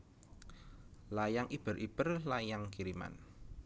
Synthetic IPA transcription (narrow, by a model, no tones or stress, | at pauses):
lajaŋʔib̥ə̤ɾʔib̥ərlajaŋkiɾima̰n